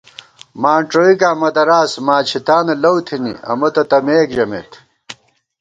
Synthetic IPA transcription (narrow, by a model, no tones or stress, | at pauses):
maːɳʈ͡ʂoikaːmɐt̪ɐɾaːsmaːt͡ɕʰit̪aːnɐlɐwt̪ʰinḭɐ̰mɐt̪ɐt̪ɐmeːkd͡ʑɐmḛk